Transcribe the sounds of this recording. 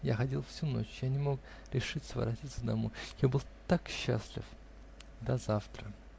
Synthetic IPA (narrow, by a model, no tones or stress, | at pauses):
jaxɐdʲilˠfsʲuno̞̰t͡ɕjanʲɪmo̞k | ɾʲɪʂɨt̪ʲsəvə̰ɾɐtʲit̪səd̪ɐmojjabɨlˠt̪akɕːa̰sʲlʲɪ̰f | d̪ɐzaft̪ɾə